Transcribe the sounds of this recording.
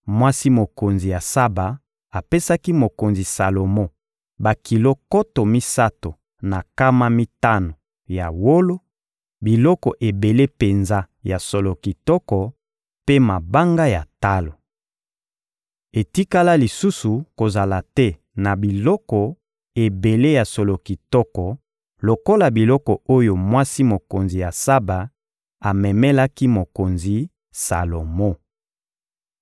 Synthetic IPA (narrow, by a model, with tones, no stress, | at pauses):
mwa˦si˦mo˨ko˨nzi˨ja˨sa˦ba˨ | a˨pe˦sa˦ki˦mo˨ko˨nzi˨sa˨lo˨mo˦ | ba˨ki˨lo˦kɔ˦to˨mi˦sa˦to˨ | na˨ka˦ma˦mi˦ta˦no˨ | ja̰˨wo˦lo˦ | bi˨lɔ˦kɔ˨ʔe˨be˨le˦pe˨nza˦ | ja˨so˨lo˨ki˨tɔ˦kɔ˨ | pe˦ma˨ba˦ŋɡa˦ja˨ta˦lo˨ | e˨ti˦ka˦la˦li˨su˦su˨ko˨za˨la˨tɛ˦ | na˨bi˨lɔ˦kɔ˨ | e˨be˨le˦ja˨so˨lo˨ki˨tɔ˦kɔ˨ | lo˨ko˦la˨bi˨lɔ˦kɔ˨o˦jo˨mwa˦si˦mo˨ko˨nzi˨ja˨sa˦ba˨ | a˨mɛ˨mɛ˦la˦ki˦mo˨ko˨nzi˨ | sa̰˨lo˨mo˦